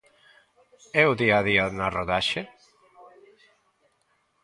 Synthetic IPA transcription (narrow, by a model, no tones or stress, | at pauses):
ɛwðiaðiaðunaroðaʃe